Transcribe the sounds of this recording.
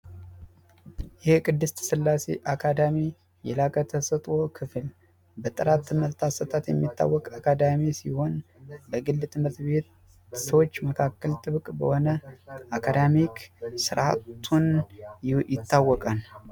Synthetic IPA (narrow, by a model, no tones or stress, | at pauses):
jɪhkʼɨd̪ːɨst̪ʰsɨlːase̞̰ʔakʰad̪ami | jɛlakʼət̪ʰəsət̪ʼo̞kʰɨfl | bət̪ʼɨɾat̪ːɨməɾt̪ʰʼasət̪ʼat̪jɛmːit̪ːa̰wːɔkʼakʰad̪amisiho̞nbəɡɨlːt̪ʰʼɨmət̪be̞t̪ | səwot͡ʃːməkʰakːəlt̪ʼɨβkʼbə̰ho̞nəakʰad̪amikʰsɨɾʔat̪ʰːun | jɪt̪ːawːɔkʼan